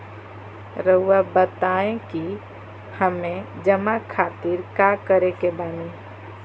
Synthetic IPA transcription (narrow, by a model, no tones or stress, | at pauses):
ɾəuabət̪aẽki | həmẽd͡ʒəmakʰaːt̪iɾkakəɾekebaːni